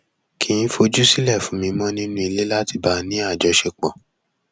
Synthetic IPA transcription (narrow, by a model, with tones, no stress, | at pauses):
kʰĩ˧˦n̩˦fo˧d͡ʒu˦si˦lɛ˦˨fũ˨˦mĩ˧mɔ̃˦nĩ˦nũ˦i˧le˦la˦ti˧ba˧˦nĩ˨˦a˦˨d͡ʒɔ˧ʃe˧k͡pɔ̰̃˨